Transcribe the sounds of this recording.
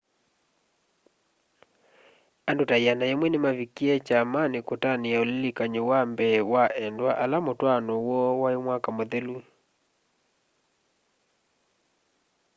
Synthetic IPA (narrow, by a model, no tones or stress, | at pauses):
andotaianaemwɛnemavikiɛt͡ʃamanekotaneaolilikaɲowambɛwaʔɛndwaʔalamotwanɔwɔwaemwakamoðelu